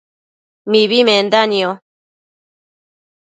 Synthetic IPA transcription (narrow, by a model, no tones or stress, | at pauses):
miβimend̪anio